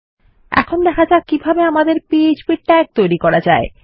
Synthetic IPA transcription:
ɛ̰kʰond̪ɛkʰad͡ʑakibʱabeamad̪eɾpied͡ʑpiʈʈːɛk̚t̪ojɾikɔɾad͡ʑae

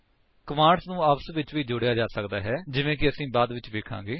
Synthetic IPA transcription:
kəmãːɖsnũːəpsʋɪt͡ʃʋiːd͡ʒʊɽejaːd͡ʒaːsəkd̪aːɦɛːd͡ʒɪʋẽːkɪəsĩːbaːd̪ʋɪt͡ʃʋeːkʰã̰ːɡeː

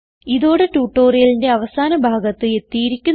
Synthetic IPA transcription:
iðo̞ːɽetuːʈːo̞ːrijɐlinde̞ɐʋɐsaːnɐbʱaːɡɐt̪ːɨe̞t̪ːijiɾikʲːun

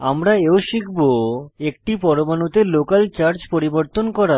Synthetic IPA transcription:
amɾaeoʃikʰboek̚ʈipɔɾobanut̪elokalt͡ɕaɾd͡ʑpoɾiboɾt̪onkɔɾa

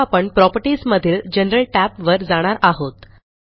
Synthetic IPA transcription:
apəɳpɾɔpəɾʈiːsməd̪ʱiːld͡ʑənɾəlʈæpʋəɾd͡zaɽ̃aɾaɦot̪

